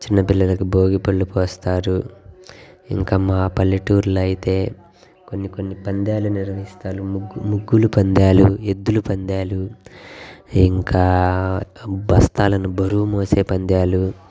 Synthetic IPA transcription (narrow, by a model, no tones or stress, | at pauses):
t͡ʃinːɐpilːɐlɐkuboːɡipɐɭːupɔːst̪aːɾu | ḭŋkaːmaːpɐlːiʈuːɾluɐjit̪e̞ː | konːiko̞nːipɐnd̪jaːluniɾʋɐɦist̪aːlumuɡːulupɐnd̪aːlued̪ːulupɐnd̪jaːlu | iŋkaː | bɐst̪aːlɐnubɐɾuːmoːse̞ːpɐnd̪jaːlu